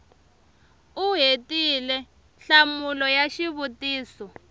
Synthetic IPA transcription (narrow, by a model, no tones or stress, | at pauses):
uɦetilɛ | ɬamulɔjaʃiβutiːsɔ